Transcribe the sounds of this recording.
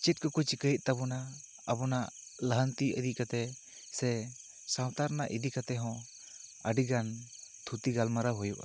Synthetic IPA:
t͡ʃit̚kɔkut͡ʃikəjit̪̚ˀt̪abɔna | abɔnaʔ | ləɦənt̪iʔəd̪ikat̪ɛ | sɛ | saw̃t̪aɾnaʔid̪ikat̪ɛɦɔ̃ | əɖiɡant̪ʰut̪iɡalmaɾaɦɔjuʔa̰

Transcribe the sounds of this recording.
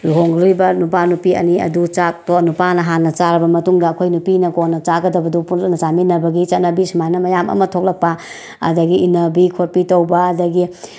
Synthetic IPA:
luɦoŋɾibɐnup̬anupiɐ̰niɐ̰dut͡ʃak̚tonupanɐɦanːɐt͡ʃaɾɐbɐmɐtuŋdɐːkʰojnupinɐkonːɐt͡ʃaɡɐdɐbɐdupulknɐt͡ʃaminɐɾbɐɡit͡ʃɐt̚nɐbisumanɐmɐjamɐ̰mɐtʰok̚lɐk̚pɐ | ɐ̰dɐɡiːnɐbikʰoɾpitɐwbɐɐdɐɡi

